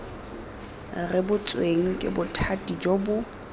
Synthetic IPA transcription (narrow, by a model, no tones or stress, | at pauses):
rɪbʊt͡sʼweŋ̩kʼɪ̰bʊtʰatʼid͡ʒobʊ